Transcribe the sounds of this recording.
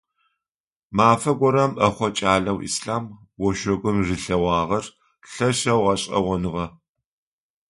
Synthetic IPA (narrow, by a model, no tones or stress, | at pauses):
maːfɐɡʷɔɾɐmʔɐχʷɔt͡ʃʼaːɮɐwʔḭsɬaːm | wɔʃɔɡʷʊmʐɨɬɐwɑːʁɐr | ɬɐʃɐwʁɐɕʼɐ̰ʁɔnɨʁɐ